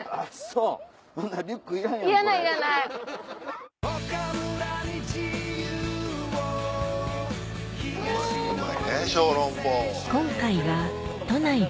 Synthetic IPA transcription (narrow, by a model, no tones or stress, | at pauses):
aso | sõnːaɾʲɯkːɯiɾãiɾanaiiɾanaj | akaɾɯɾaɲit͡ɕijɯo | kiianeɕoːɾõmpo | kõ̞ŋkaiβat̪o̞nai